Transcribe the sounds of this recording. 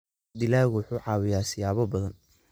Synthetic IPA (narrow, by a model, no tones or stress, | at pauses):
d̪ɪlaːɣʊwʊħuːʕɑːwɪjaːsɪjaːβɔbɐðɐn